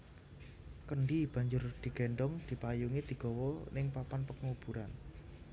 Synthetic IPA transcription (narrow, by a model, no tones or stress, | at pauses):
kəɳɖib̥a̤ɲd͡ʒʊrd̪̥i̤ɡ̥e̤ɳɖɔŋd̪̥i̤pajuŋid̪̥i̤ɡ̥ɔ̤wɔnɪŋpapanpəkŋub̥uɾan